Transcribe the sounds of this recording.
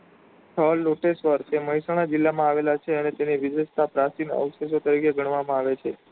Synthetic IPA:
ʈʰəlːoʈesʋəɾt͡ʃʰeməɦisaɽ̃ad͡ʒilːamãaʋelat͡ʃʰeənet̪eniʋɪdʋəst̪ʰapɾasinə̰ʋses̬ot̪əɾikeɡʱəɽ̃ʋamãaʋet͡ʃʰe

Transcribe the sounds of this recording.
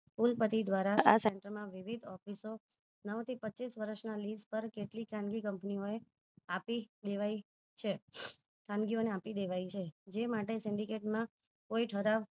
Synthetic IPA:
kulpət̪id̪ʋaɾaʔaseɳʈəɾmãʋiʋid̪ʱɔfiso | nəʋt̪ʰipətːt͡ʃisʋəɾəʃnalispəɾkeʈlikʰãnɡikəmpnioe | apid̪eʋaj | t͡ʃʰe | ʈʰãnɡioneapid̪eʋajt͡ʃʰed͡ʒemaʈesɪɳɖikeʈmã | koiʈʰəɾaʋ

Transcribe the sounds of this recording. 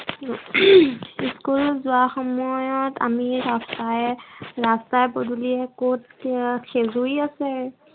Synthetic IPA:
iskulzʊaxɔmɔjɔta̰miɹastajɹastajboduliɛkot̚kʰezuiasɛ

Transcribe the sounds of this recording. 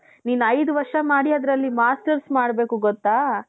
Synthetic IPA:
niːnɐjd̪uʋɐɾʂɐmaːɽiɐd̪ɾɐlːimaːsʈɐɾsmaːɽbe̞ːkuɡɔt̪ːaː

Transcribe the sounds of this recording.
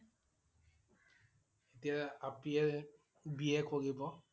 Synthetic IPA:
etiaapiɛɹ | biɛkʰoɹibɔ

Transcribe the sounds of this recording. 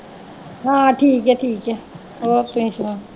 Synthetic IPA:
ɦãːʈʰiːkɦɛʈʰiːkɦɛ | oːpeĩsa

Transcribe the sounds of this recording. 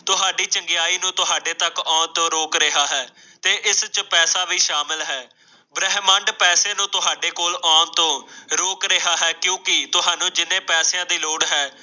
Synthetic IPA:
t̪ʊɦaːɖiːt͡ʃəŋɡɪjaːiːnũːt̪ʊɦaːɖeːt̪əkɔːnt̪õːɾoːkɾɪɦaːɦɛː | t̪eːʔɪst͡ʃpɛːsaːʋiːʃaːmɪlɦɛː | bɾɛɦməɳɖpɛːseːnũːt̪ʊɦaːɖeːkoːlɔːnt̪õːɾoːkɾeɦaːɦɛːkjũːkɪt̪ʊɦaːnũːd͡ʒɪnẽːpɛːsjãːd̪iːloːɽɦɛː

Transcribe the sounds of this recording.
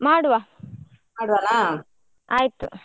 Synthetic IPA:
maːɽuʋaː | maːɽuʋanaː | aːjit̪u

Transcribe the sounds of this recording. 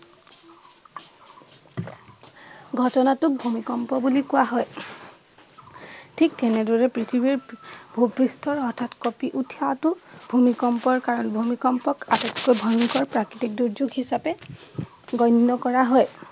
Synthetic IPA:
ɡʱɔtɔnatʊk̚bʱumikɔmpɔbulikʊwaɦɔj | tʰik̚tɛnɛdɔɹɛpɹitʰibiɹbʱupɹistʰɔɹɔɹtʰatkɔpiʔutʰijatʊbʱumikɔmpɔɹkaɹɔnbʱumikɔmpɔkatɛtkojbʱɔŋkɔɹpɹakɹitik̚duɹd͡ʒuɡɦisapɛ | ɡɔjnːɔkɔɹaɦɔj

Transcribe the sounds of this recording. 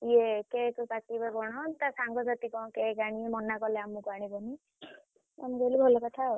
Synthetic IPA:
iekekɔpakibabɔɽ̃ɔt̪asaŋɡɔzat̪ikɔ̃kekaɽ̃imɔnakɔleamũkɔaɽ̃ibɔni | a̰mũkɔlibʱɔlɔkɔt̪ʰa

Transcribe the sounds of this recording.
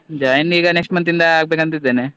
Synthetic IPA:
d͡ʒɐjnːiːɡɐneksʈmɐnt̪ind̪ɐaːɡbekɐnt̪id̪ːeːne

